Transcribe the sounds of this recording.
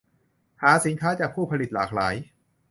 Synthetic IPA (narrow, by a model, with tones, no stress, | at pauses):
haː˩˦si˩˦nkʰaː˦˥t͡ɕaː˨˩k̚pʰuː˥˩pʰa˧li˨t̪̚laː˨˩k̚laː˩˦j